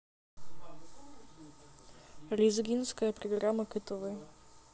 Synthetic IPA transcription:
lʲizɡʲinskəjəpɾɔɡɾaməkɨt̪ovɨj

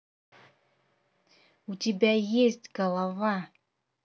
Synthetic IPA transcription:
utʲɪbʲajesʲtʲɡəlˠava

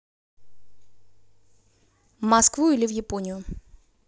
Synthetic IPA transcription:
vmɐskvuilʲɪvjɪponʲɪjʊ

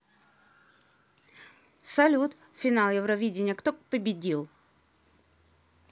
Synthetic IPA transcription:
sɐlʲut̪ | fʲɪnalˠjɛvɾɐvʲidʲɪnʲjəkt̪okpəbʲɪdʲilˠ

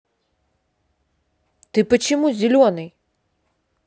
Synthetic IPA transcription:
t̪ɨpɐt͡ʃimuzʲelʲɔnɨj

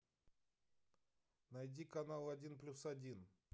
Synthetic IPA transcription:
nɐjdʲikɐnalˠɐdʲinplʲusɐdʲin

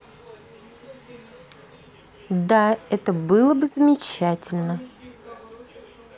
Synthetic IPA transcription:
d̪aɛt̪əbɨlˠəbɨzəmʲɪt͡ɕætʲɪlʲnə

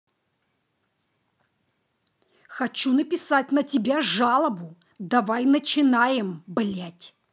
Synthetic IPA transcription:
xɐt͡ɕunəpʲɪsatʲnətʲɪbʲaʐalˠəbʊ | d̪ɐvajnət͡ɕɪnajɪmblʲætʲ

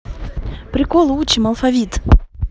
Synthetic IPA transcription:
pɾʲɪkɔlˠut͡ʃimɐlˠfavʲit̪

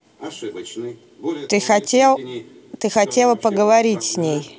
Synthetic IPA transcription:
t̪ɨxɐtʲelˠ | t̪ɨxɐtʲelˠəpəɡəvɐɾʲitʲsʲnʲej

